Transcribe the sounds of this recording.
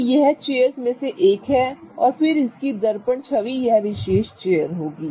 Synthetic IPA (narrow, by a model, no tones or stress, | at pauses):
jɛɦt͡ʃeːjəɾsmẽseʔeːkɦɛɔːɾfɪɾɪskid̪ɐɾpəɳt͡ʃʰɐʋijɐɦʋɪʃeːʃt͡ʃeːjəɾɦoːɡiː